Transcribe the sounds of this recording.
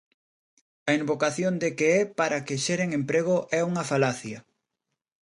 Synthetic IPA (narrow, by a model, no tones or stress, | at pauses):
ɐimbokaθjond̪ekeɛpaɾɐkɪʃeɾeŋempɾeɣ̞oʔɛuŋɐfalaθjɐ